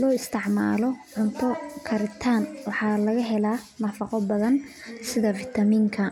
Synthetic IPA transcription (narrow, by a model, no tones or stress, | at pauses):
lɔːɪst̪ʰɪʕma̰ːlɔʕʊnt̪ʰɔkʰɐɾɪt̪ʰaːnwɑħɑːlɐɣɐɦɛlaː | nɐfɑqɔbɐðɐn | sɪðɐfɪt̪ʰɐmiːŋkʰɐ